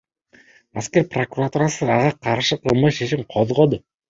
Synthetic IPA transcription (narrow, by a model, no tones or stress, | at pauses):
aske̞ɾprokuɾat̪uɾasɯɑʁɑqʰɑɾʃɯqʰɯlˠmɑʃeʃimqʰoðʁo̞d̪ʊ